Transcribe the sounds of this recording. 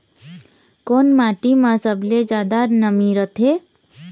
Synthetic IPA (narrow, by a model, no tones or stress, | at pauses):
koːnmaːʈimãsəbled͡ʒaːd̪anəmiɾət̪ʰe